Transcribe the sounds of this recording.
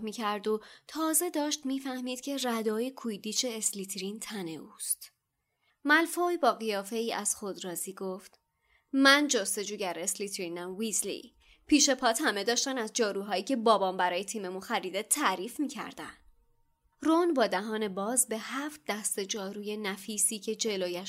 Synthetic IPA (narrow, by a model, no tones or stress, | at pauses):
miːcʰæɾd̪ot̪ʰɒːze̞d̪ɒːʃt̪miːfæhmiːd̪̥̚cʲʰe̞ræd̪ɒːjekʰujd̪iːt͡ʃʰe̞ːsliːt̪ʰɾint̪ʰæne̞uːst̪ | mælfojbɒːɣijɒːfe̞iːʔæz̥xo̞d̪ɾɒːziːɡoft̪ | mænd͡ʒost̪e̞d͡ʒuːɟæɾesliːt̪ʰɾiːnæmvislḭ | pʰiːʃe̞pʰɒːt̪hæme̞d̪ɒːʃt̪ænæzd͡ʒɒːɾuːɦɒːiːcʰe̞bɒːbɒːmbæɾɒːje̞t̪ʰiːme̞munxæɾiːd̪et̪ʰːæɾiːfmiːcʰæ̰ɾd̪æ̰nd̪̥ | ronbɒːd̪æɦɒːne̞bɒːzbe̞hæft̪̚d̪æst̪e̞d͡ʒɒːɾuːje̞næfiːsiːcʰe̞d͡ʒe̞loːjæʃ